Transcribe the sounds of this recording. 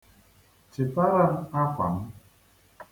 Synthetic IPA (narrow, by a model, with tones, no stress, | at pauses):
t͡ʃɪ˨ta˦ɾa˦ɾ̩˦a˦kʷa̰˨m̩˦